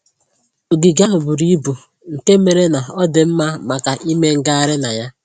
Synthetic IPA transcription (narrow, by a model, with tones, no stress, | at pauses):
o˨ɡɪ˨ɡa˦ɦʊ˨bʊ˨ɾi˦bu˨ | ŋ̩˨ke˦me˨ɾe˦na˨ɔ˦dɪ˨m̩˦ma˦ma˨ka˨ʔi˦me˦ŋ̩˨ɡa˦a˨ɾɪ˦na˨ja˦